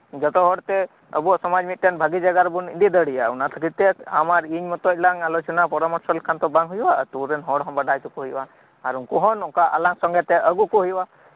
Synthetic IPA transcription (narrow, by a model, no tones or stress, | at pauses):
d͡ʒət̪ɔɦɔɽt̪ɛ | ə̰buɔʔsɔmad͡ʒmit̪̚ʈenbʱaɡid͡ʒəɡaɾbunḭnd̪id̪əɽijaunat̪ʰəkit̪ɛamaɾiɲmɔt̪ɔt̚ʲlaŋalot͡ʃɔnapɔɾamɔɾsəlkʰant̪ɔbaŋɦujwat̪uɾenɦɔɽɦɔnbəɖʱajt͡ʃukuɦujwa | aɾunkuɦɔnukaʔa̰laŋsɔŋɡɛt̪ɛʔəɡukuɦujwa